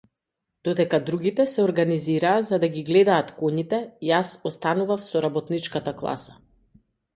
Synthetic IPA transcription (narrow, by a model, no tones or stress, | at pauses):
d̪̥ɔd̪ɛkad̪ɾuɡit̪ɛsɛɔɾɡaniziɾaːzad̪aɡiɡlɛd̪aːt̪kɔɲit̪ɛjasɔst̪anuvafsɔɾabɔt̪nit͡ʃkat̪aklˠa̰sḁ